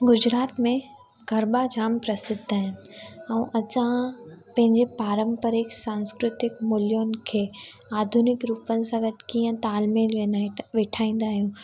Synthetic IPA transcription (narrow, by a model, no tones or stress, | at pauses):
ɡʊd͡ʑɾaːt̪mẽ | ɡʱɐɾɓad͡ʑaːmpɾɐsɪd̪ʱaːɦɪnɪ̆ɛ̃ʔɐsãpɐ̃ɦɪ̃ɲd͡ʑepaːɾə̃mpəɾɪksãːnskɾʊt̪ɪkmʊljoːnɪ̆kʰeː | aːd̪ʱunɪkɾuːpənɪ̆sãɡɐt̪kiːə̃t̪aːlmeːlʋeʋɪʈʰaːĩːn̆d̪aːɦijũː